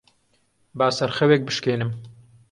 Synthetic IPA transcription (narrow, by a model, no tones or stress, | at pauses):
baːsɐɾxɛwek̚bɨʃkeːnɨm